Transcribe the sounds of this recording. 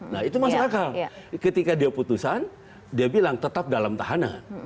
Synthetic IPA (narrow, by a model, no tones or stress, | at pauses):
nahit̪umasaakalkət̪ikadiaput̪usan | diabilaŋt̪ət̪ap̚dalamt̪aɦana̰n